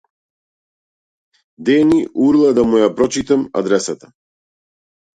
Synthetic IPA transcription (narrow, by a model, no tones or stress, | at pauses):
d̪ɛniʔuɾlˠad̪amujapɾɔt͡ʃit̪ama̰d̪ɾɛsat̪a